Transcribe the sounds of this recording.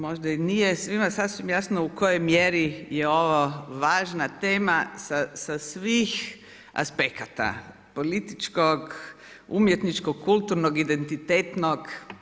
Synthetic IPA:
mo̞ʒd̪ainijesʋimasasʋimjasnoukojojmjeɾijeo̞ʋoʋaːʒnat̪eːmasasasʋix | a̰spekat̪a̰ | po̞lit̪it͡ʃkoɡ | umjet̪nit͡ʃkoɡkult̪uɾnoɡid̪ent̪it̪et̪noɡ

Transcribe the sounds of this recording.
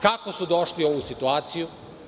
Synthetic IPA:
kako̞sud̪oʃlio̞ʋusit̪uaːt̪siju

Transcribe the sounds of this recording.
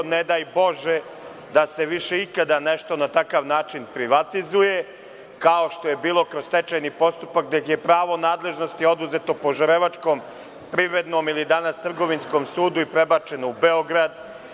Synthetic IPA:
ned̪aːjbo̞ʒe | d̪ase̞ʋiʃe̞ikad̪aneʃt̪o̞nat̪akaʋnaːt͡ʃinpɾiʋat̪izuje̞ | kao̞ʃt̪o̞je̞biːlˠo̞kɾost̪et͡ʃajnipo̞st̪upakd̪ekje̞pɾaːʋo̞naːd̪lˠe̞ʒno̞st̪io̞d̪uzet̪o̞po̞ʒaɾeʋat͡ʂko̞m | pɾiʋɾe̞d̪no̞milid̪anast̪r̩ɡo̞ʋinsko̞msuːd̪uipɾebat͡ʃe̞noubeoɡɾad̪

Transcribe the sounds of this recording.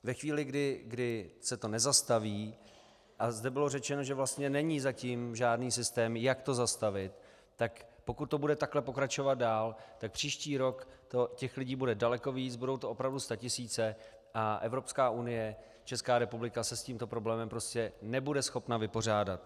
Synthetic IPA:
vɛxviːlɪɡdɪɡdɪsɛt̪o̞nɛzast̪aviː | ʔazdɛbɪlo̞rɛt͡ʃɛno̞ʒɛvlast̪ɲɛnɛɲiːzacimʒaːdniːsɪst̪ɛːmjakt̪o̞zast̪avɪt̪ː | akpo̞kut̪̚ːo̞budɛt̪aklɛpo̞kɾat͡ʃo̞vat̪̚daːlt̪ak̚pr̥iːʃciːɾo̞kt̪ocɛxlɪɟiːbudɛdalɛko̞viːt͡sbudo̞wt̪oʔo̞pɾavdust̪acɪsiːt͡sɛ | ʔaʔɛvɾo̞pskaːʔunɪjɛ | t͡ʃɛskaːɾɛpublɪkasɛsciːmt̪o̞pɾo̞blɛːmɛmpɾo̞scɛnɛbudɛsxo̞pnavɪpo̞r̝aːdat̪̚

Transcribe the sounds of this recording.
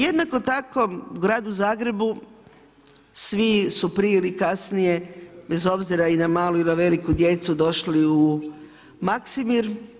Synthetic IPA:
je̞d̪nako̞t̪ako̞uɡɾaːd̪uzaːɡɾe̞bu | sʋisupɾijelikasnije̞be̞zo̞bziɾainamaːluinaʋe̞likud̪je̞t̪sud̪o̞ʃliu | maksimiɾ

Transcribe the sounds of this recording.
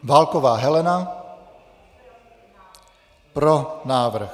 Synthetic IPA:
ʋalkɔʋaːɦɛlɛna | pɾɔnaːʋr̩x

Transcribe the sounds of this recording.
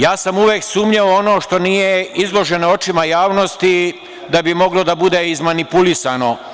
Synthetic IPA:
jaːsamuʋjeːksuːmɲeoono̞ːʃt̪o̞nije̞izlˠo̞ʒe̞noo̞t͡ʃimajaːʋno̞st̪i | d̪abimo̞ɡlod̪abud̪eizmanipulisano̞

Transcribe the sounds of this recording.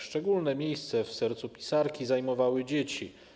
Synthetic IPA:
ʂt͡ʂɛɡulnɛmʲjejst̪sɛfsɛɾt̪supʲi̥saɾkʲizajmɔvawɘd͡ʑet͡ɕi

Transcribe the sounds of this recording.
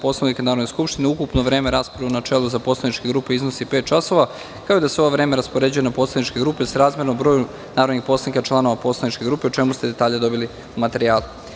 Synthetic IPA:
po̞slˠanikanaːɾd̪neskupʃt̪ineukupnoʋɾe̞ːmeɾaːspɾaunat͡ʃelˠuzapo̞slˠanit͡ʃkeɡɾuːpeiznosipe̞ːt̪̚t͡ʃaso̞ʋa | kaoid̪aseooʋɾe̞ːme̞ɾaspo̞ɾe̞d͡ʑuje̞napo̞slˠad̪nit͡ʃkeɡɾuːpesaɾaːzmʲjeɾnobɾo̞ːju | naːɾod̪nixpo̞slanikat͡ʃlˠano̞ʋapo̞ːslˠad̪nit͡ʃke̞ɡɾuːpeut͡ʃe̞must̪e̞d̪e̞t̪aːʎed̪o̞bili | umat̪e̞ɾijaːlu

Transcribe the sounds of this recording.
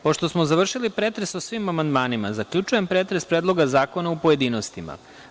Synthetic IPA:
po̞ʃt̪o̞smozaʋr̩ʃilipɾeːt̪ɾe̞susʋimamand̪maːnima̰zakʎʲut͡ʃuje̞mpɾeːt̪ɾespɾed̪lˠo̞ɡazaːko̞naupo̞je̞d̪iːno̞st̪ima̰

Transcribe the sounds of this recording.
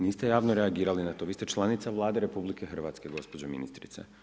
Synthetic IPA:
niːst̪ejaːʋnoɾeaɡiːɾalinat̪o̞ːʋiːst̪et͡ʃlˠanit̪saʋlˠaːd̪eɾe̞publikexr̩ʋat̪ske̞ɡo̞spo̞d͡ʑomḭnḭst̪ɾḭt̪sḛ

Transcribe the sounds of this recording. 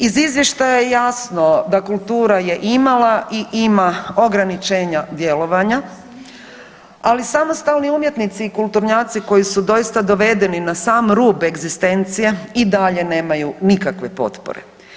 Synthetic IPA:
izizʋjeʃt̪ajajejasno̞d̪akulˠt̪uːɾaje̞ʔimalaʔiʔimao̞ɡɾanit͡ʃeːɲad̪je̞lo̞ʋaɲa | alisamost̪alniumje̞t̪nit̪siːkulˠt̪uɾɲaːt̪siko̞jisud̪o̞jist̪ad̪o̞ʋe̞d̪e̞ninasaːmɾuːbe̞ɡzist̪e̞nt̪sije̞id̪aʎe̞ne̞ːmajunikakʋe̞po̞̰t̪po̰ɾe̞̰

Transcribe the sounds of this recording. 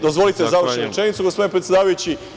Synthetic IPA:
d̪ozʋo̞lit̪ezaʋɾʃnuɾet͡ʃenit̪suɡospo̞d̪inpɾet̪sed̪aːʋajut͡ɕi

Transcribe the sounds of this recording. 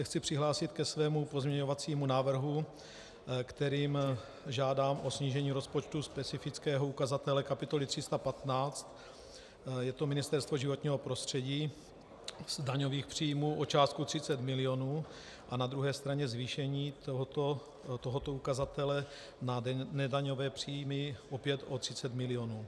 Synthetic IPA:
ɛxt͡sɪpr̝̥ɪɦlaːsɪt̪kɛsvɛːmupo̞zmɲɛɲo̞vat͡siːmunaːvr̩ɦu | kt̪ɛɾiːm | ʒaːdaːmʔosɲiːʒɛɲiːɾo̞spot͡ʃt̪uspɛt͡sɪfɪt͡skɛːɦoukazat̪ɛlɛkapɪt̪o̞lɪt̪r̥ɪst̪apat̪naːt͡st̪ | jɛt̪o̞mɪnɪst̪ɛɾst̪vo̞ʒɪvo̞t̪ɲiːɦo̞pɾo̞st̪r̝̥ɛɟiː | zdaɲo̞viːxpr̝̥iːjmuːʔot͡ʃaːst̪kut̪r̥ɪt͡sɛt̪mɪlɪo̞nuː | ʔanad̪ɾuɦɛːst̪ɾaɲɛzviːʃɛɲiːo | t̪oɦot̪o̞ukazat̪ɛlɛ | nanɛdaɲo̞vɛːpr̝̥iːjmɪʔopjɛt̪ʔo̞t̪r̥ɪt͡sɛt̪mɪlɪo̞nuː

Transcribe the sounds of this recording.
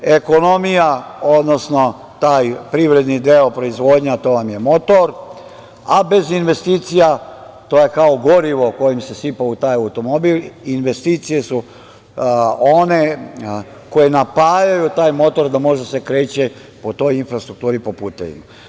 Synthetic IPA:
e̞ko̞no̞mijao̞d̪no̞sno̞ | t̪aːjpɾiʋɾe̞d̪nid̪eopɾo̞izʋo̞ːd̪ɲat̪o̞ʋamje̞mo̞t̪o̞ɾ | abe̞zinʋe̞st̪iːt̪sija | t̪ojekaoɡo̞ɾiʋo̞ko̞jimse̞sipaut̪aːjawt̪o̞mobilinʋe̞st̪iːt̪sije̞su | one̞ | ko̞jenapaːjajut̪aːjmo̞t̪o̞ɾd̪amo̞ʒse̞kɾe̞ːt͡ɕe | po̞t̪o̞jinfɾast̪ɾuk̚t̪uːɾipo̞puːt̪eʋḭma

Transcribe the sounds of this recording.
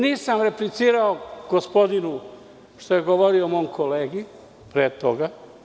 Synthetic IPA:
niːsamɾe̞plit̪siːɾaoɡ̥ospo̞d̪inu | ʃt̪ojeɡoʋoɾiomojmkʰo̞leːɡi | pɾeːt̪oɡa

